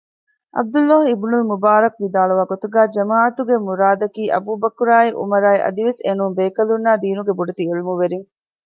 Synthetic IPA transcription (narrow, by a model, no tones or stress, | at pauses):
ʔɐ̰b̚d̪ulːɔːɦibnulmubaːɾɐkʋid̪aːɭuʋaːɡot̪uɡæːd͡ʒɐmaːɐt̪uɡemuɾaːd̪ɐkiːʔɐ̰buːbɐkuɾaːiʔṵmɐɾaːiʔɐ̰d̪iʋesenumbeːkɐlunːaːd̪iːnuɡebuɖet̪ielumuʋeɾiŋ